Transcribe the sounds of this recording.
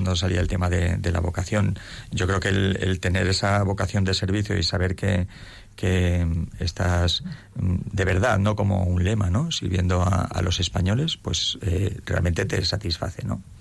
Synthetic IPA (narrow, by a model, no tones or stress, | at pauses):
nd̪osaliaelt̪e̞maðe̞d̪e̞la̰βo̞kaθjo̞nɟ͡ʝo̞kɾe̞okelḛlt̪e̞ne̞ɾe̞saβo̞kaθjo̞nd̪e̞se̞ɾβ̞iθjo̞̰isaβe̞ɾke̞ | ke̞est̪as | d̪e̞β̞e̞ɾðaðno̞ko̞mo̞̰unle̞mano̞siɾβje̞nd̪oaa̰lʔo̞se̞spaɲo̞le̞spwe̞̰sere̞a̰lmẽ̞nt̪e̞t̪e̞sat̪isfa̰θe̞no̞̰